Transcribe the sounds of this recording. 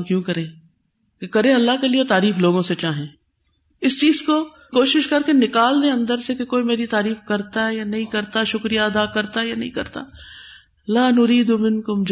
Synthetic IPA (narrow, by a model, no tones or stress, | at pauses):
kjũːkɐɾẽː | kekɐɾẽɐlːaɦkelijet̪aːɾiːfloːɡõset͡ʃaːɦẽː | ɪst͡ʃiːzko | koːʃɪʃkɐɾkenɪkaːlneɐ̃nd̪əɾsekekoːimeːɾit̪aːɾiːfkɐɾt̪aɦɛjanɐɦĩkɐɾt̪aʃʊkɾijaɐd̪aːkɐɾt̪aɛjanɐɦĩkɐɾt̪a̰ː | laːnʊɾiːd̪umɪnkʊmd͡ʒ